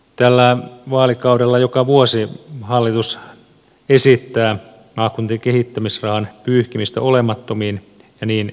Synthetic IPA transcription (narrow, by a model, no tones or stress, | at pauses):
t̪ælːæʋɑːlikɑudelːɑjokɑʋuosihɑlːit̪us | esit̪ːæː | nɑːkunt̪ikehit̪ːæmisrɑhɑnpyːhkimist̪æ̰olemɑt̪ːomiːn | jɑniːn